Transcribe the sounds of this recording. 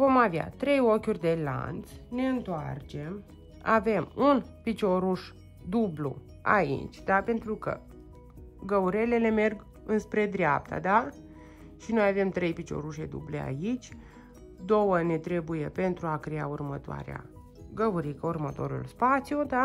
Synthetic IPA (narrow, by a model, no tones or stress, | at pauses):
vo̞mavja̰t̪ɾe̞jo̞kʲurʲd̪e̞la̰nt̪sne̞ɨnt̪oa̰rt͡ʃe̞m | a̰ve̞munpit͡ʃo̞ɾuʃ | d̪ublṵ | a̰ḭt͡ʃʲd̪ape̞nt̪ɾukə̰ | ɡəuɾe̞le̞le̞me̞rɡ | ɨnspɾe̞d̪ɾeap̚t̪a̰d̪a | ʃino̞jave̞mt̪ɾe̞jpit͡ʃo̞̰ɾuʃe̞d̪ṵble̞̰a̰it͡ʃʲ | d̪o̞wəne̞t̪ɾe̞buje̞pe̞nt̪ɾuakɾea̰urmət̪oa̰ɾḛa̰ | ɡəuɾikəurmət̪o̞̰ɾṵlspat̪sijud̪a